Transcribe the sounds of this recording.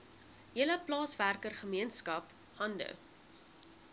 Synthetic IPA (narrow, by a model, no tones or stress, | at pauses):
ɦiələplɑːsværkərχəmiənskɐp | hɐndə̰